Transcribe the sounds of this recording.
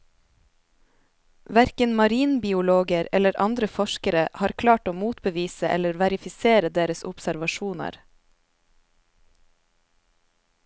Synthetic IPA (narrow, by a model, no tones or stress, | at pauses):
ʋæɾkənmɑɾiːnbɪːʊloːɡəɾɛ̰ləɾʔɑ̰nd̪ɾəfɔʃkəɾəʔhɑːɾkʰlɑːʈoːmuːt̪bəʋiːsəʔɛ̰ləɾʋæɾɪfɪseːɾəd̪eːɾəsʊpsæɾʋɑʃuːnɑ̰ɾ